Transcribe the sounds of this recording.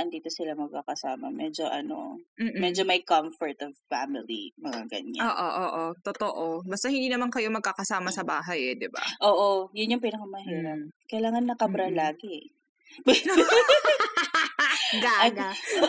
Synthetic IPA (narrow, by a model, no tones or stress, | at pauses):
ʔɐnd̪iːt̪osɪlamɐɡ̚kakɐsaːmɐ̰mɛd͡ʒoʔɐ̰no̰m̩ːmɛd͡ʒomɐjkɐmfɔɹt̪ɔv̥famɪlḭmɐŋa̰ɡɐ̰ɲa̰oːʔoʔoːʔot̪ot̪oʔobɐst̪ahɪnd̪iːnɐmankɐjo̞mɐɡ̚kakɐsaːmɐsɐbaːɦɐjɛd̪ɪba̰ʔoːʔojʊnjʊŋp̬iːnɐkɐmɐhiːɾɐkɐjlaːŋɐnːɐkɐbɾɐlaːɡɛɛ | ɡaɡa